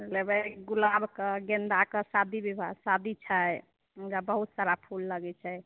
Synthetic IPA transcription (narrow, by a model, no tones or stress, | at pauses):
lebeɡulabʱkəɡend̪akəsad̪ʱibibʱa̰sad̪ʱit͡ʃʰəj | ɡabəɦut̪saɾapʰulːəɡɛt͡ʃʰɛj